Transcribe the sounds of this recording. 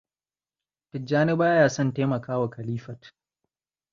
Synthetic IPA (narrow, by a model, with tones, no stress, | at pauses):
tɪ˨d͡ʒaː˦nɪ˦baː˦jaː˦˨sɔ˦˨nteː˦mɐ˨kaː˦wa˨kɐ˨liː˦ɸɐ˨t